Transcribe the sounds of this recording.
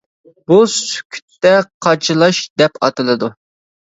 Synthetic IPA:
busy̥kʲʰy̥t̪ːɛqʰɑt͡ʃʰɨlˠɑʃd̪ɛpɑ̰t̪ɨlˠɨd̪u

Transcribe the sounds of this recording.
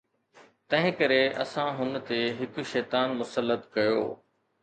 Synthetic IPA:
t̪ɐ̃ɦɪ̃kɐɾeʔɐ̰sãɦʊn̆t̪eɦɪkʃɛːt̪aːnmʊsəlːət̪kɐjo̰ː

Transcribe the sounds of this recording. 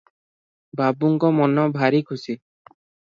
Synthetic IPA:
babuŋkɔmɔnɔbʱaɾikʰusi

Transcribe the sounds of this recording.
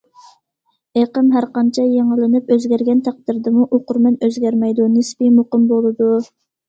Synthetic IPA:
eqəmɦæɾqɑnt͡ʃʰɛjeŋəlˠɪnɪpøzɡʲæɾɡʲɛnt̪ʰæq̚d̪ɪɾd̪ɨmuʔoqʊɾmɛnøzɡʲæɾmɛjd̪unɨspimoqəmbolˠɨd̪u

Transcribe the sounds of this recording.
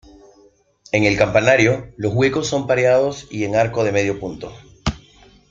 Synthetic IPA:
e̞ŋe̞lkampanaɾjo̞lo̞zɣwe̞ko̞sːo̞mpaɾjað̞o̞sie̞ŋaɾkoð̞e̞me̞ð̞jo̞punt̪o̞

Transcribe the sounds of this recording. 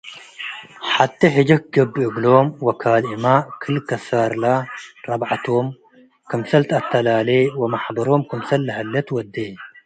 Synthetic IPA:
ħat̪ʰːiħɨd͡ʒɐkɡɐbːɨʔɨɡlomwɐkʰaːlʔimakʰɨlkʰɐsaɾlaɾɐbʕt̪ʰom | kʰɐmsɐlt̪ʰat̪ʰːɐlaːlewɐmaħbɐɾomkʰɐmsɐlːɐɦɐlːɐt̪wɐd̪ːe

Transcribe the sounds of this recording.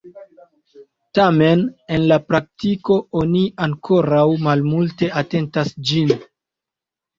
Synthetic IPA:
tame̞ne̞nlapɾak̚tiko̞oniaŋkʰo̞ɾawmalmulte̞ate̞ntasd͡ʒin

